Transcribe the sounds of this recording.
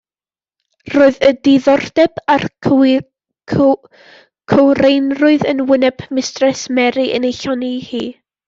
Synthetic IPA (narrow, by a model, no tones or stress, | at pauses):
roːɨðədɪðɔrdɛbar | kʰəwrejnrʊɨðənwɪnɛb̥mɪstrɛsmɛɾiʔə̰nejɬɔnihḭː